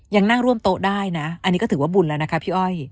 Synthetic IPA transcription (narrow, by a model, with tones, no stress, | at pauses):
ja˧ŋna˥˩ŋɾu˥˩əmt̪oː˧daː˥˩jna˦˥ʔa˧nːiː˦˥kɔ˥˩t̪ʰɯ˩˦waː˥˩bu˧nlɛː˦˥˩na˦˥kʰa˦˥pʰiː˥˩ʔɔ˥˩j